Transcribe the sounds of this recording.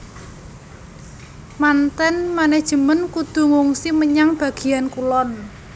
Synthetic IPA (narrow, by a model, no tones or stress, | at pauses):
mant̪ɛnmanɛhd̥ʒ̥ə̤mənkud̪̥ṳŋuŋsiməɲaŋb̥a̤ɡ̥i̤jankulɔn